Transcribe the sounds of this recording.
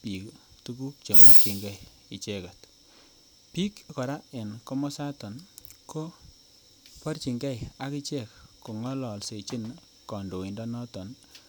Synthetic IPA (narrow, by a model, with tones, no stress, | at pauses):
pi˨ktu˦ku˦k̚t͡ʃe˨mɔ˦ki˨ŋɡɛ˦˨j | i˨t͡ʃe˦ka˨t | pi˦kkɔ˨ɾa˦e˨nko˦mɔ˦sa˦tɔ˨nko˦ | pɔ˦rt͡ʃi˨ŋɡɛ˦ja˨ki˦t͡ʃe˦˨kko˨ŋɔ˦lɔ˨lse˨t͡ʃi˦n | kɔ˨ndo˨i˨ndɔ˦nɔ˦tɔ˨n